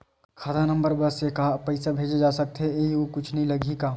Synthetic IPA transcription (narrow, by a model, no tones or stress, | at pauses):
kʰaːd̪anɐ̃mbəɾbɐsekaɦpɐɪsabʱeːd͡ʒed͡ʒaːsɐk̚t̪ɦeeːiokʊt͡ʃʰnɐɦĩlɐɡʱikaː